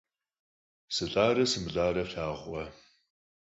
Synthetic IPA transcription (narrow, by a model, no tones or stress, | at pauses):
sɨɬʼaːrɐsɨmɨɮaːɾɐɬaːʁʷʼɔ